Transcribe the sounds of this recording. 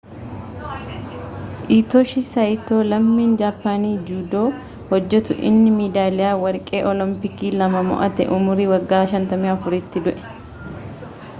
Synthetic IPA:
ʔiːt̪ɔʃɪsɐjt̪oːlɐmːiːnd͡ʒaːpːaːniːd͡ʒuːd̪oː | hɔd͡ʒːɛt̪ʊʔɪ̰nːɪmiːd̪aːlɪjaːwɐɾkʼe̞ːʔɔlɔmpɪkiːlɐmɐmɔ̰ʔɐt̪ɛ̰ʔʊmʊɾiːwɐɡːaːʃɐnt̪ɐmɪɐfʊɾɪt̪ːɪd̪ʊʔɛ̥

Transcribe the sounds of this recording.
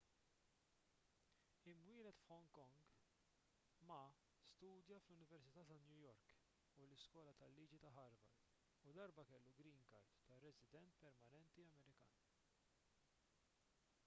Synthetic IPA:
ɪmwɪːlɛt̪fhɔŋkɔŋɡ | mɐ | st̪uːd̪jɐflʊnɪvɛɾsɪt̪ɐːt̪ɐnjujɔɾk | ulɪskwɔːlɐt̪ɐlːiːd͡ʒit̪ɐɦɐɾvɐ̰ɾ | ud̪ɐɾbɐkɛlːuɡɾiːŋkɐɾt̪ːɐrɛsɪd̪ɛnt̪pɛɾmɐnɛnt̪iɐmɛɾɪkɐ̰ːn

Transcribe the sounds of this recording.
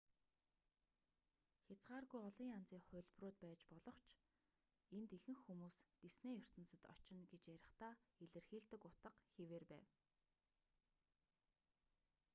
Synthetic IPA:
xʲat͡sɢaːrɣujɔɮiːŋant͡siːŋχʊ̟ɮʲproːt̪̚pæːt͡ɕpɔɮɞ̆χt͡ɕʰ | ent̪ixɘ̆ŋxːumuːsɡ̪esneːjɵr̥t̪ə̆nsə̆t̪ɔ̰t͡ɕɪ̆nɡet͡ɕjæɾʲɪ̆χt̪aːeɮɘ̆rxiːɮt̪ɘ̆kʊt̪ə̆qxeweːrpæ̰ːw

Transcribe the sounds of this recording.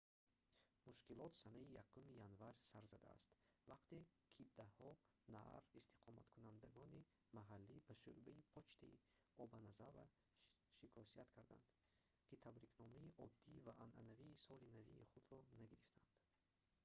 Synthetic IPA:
muʃkilɔt̪sanaijakʰːumijanvaɾsaɾzad̪a̰ːst̪vaqt̪ekʰid̪ahɔ | na̰ɾist̪ʰi̥qʰɔma̰t̪kʰunand̪aɡɔni | maɦalːibaʃuɾbaipʰɔt͡ʃt̪ʰaḭ | ɔbanazava̰ | ʃikʰɔsiat̪kʰaɾd̪a̰nd̪ | kʰit̪ʰabɾiknɔmaiʔɔd̪ːivaʔanʔanaviːsɔlinavḭːχud̪ɾɔnaɡiɾift̪ʰand̪̥

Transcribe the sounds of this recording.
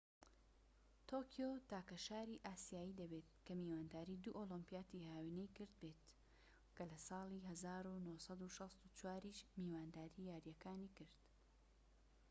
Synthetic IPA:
t̪ʰoːkʰijoːt̪aːkɐʃaːɾiːʔaːsijaːjid̪ɐbeːt̪kɐmiːwaːnd̪aːɾiːd̪uʔoːlɨmpijaːt̪ihaːwinejkɨɾd̪̚beːt̪ | kɐlɐsɑːlˠiɦɐzaːɾunosɑd̪uʃɑst̪ut͡ʃwaːɾiʃmiːwaːnd̪aːɾiːjaːɾjɐkaːnikɨɾd̪̥

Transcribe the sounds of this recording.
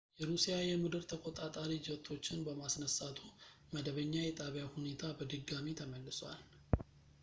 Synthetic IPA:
jɛɾusijajɛmɨd̪ɨɾt̪ʰəkʼot̪ʼat̪ʼaɾid͡ʒɪət̪ʰːo̞t͡ʃːɪnbəmasnəsat̪ʰu | məd̪əβəɲːajɛt̪ʼaβjahune̞t̪ʰabəd̪ɨɡːamit̪ʰəməlːɨswal

